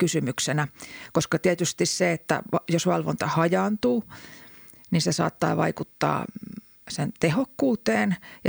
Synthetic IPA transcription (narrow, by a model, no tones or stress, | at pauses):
kysymyksenækoskɑt̪iæt̪yst̪isseet̪ːæ̰ɑjosʋɑlʋo̰nt̪ɑhɑjɑːnt̪uː | ninsesɑ̰ːt̪ːɑ̰ːʋɑ̰ikut̪ːɑ̰ː | sent̪ehokːuːt̪eːnjɑ